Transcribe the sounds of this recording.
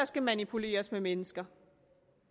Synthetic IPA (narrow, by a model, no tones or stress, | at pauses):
ɐsɡ̥æmænipʰule̝̰ːɐsmemenəsɡ̥ɐ